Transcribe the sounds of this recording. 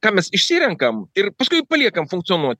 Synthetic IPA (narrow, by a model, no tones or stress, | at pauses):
kɑːmʲɛsɪʃʲsʲiːɾʲɛŋkɐmɪrpɐskʊɪpɐlʲiɛkɐmfʊŋk̚t̪ɨoːnuɔt̪̚ʲ